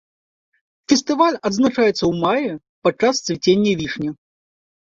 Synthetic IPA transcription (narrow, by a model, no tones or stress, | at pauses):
fʲɛst̪ɨvalʲɐd̪znat͡ʂajɛt̪sːɐwmajɛ | pɐt͡ʂːast̪svʲit͡sʲenʲːɐvʲiʂnʲɐ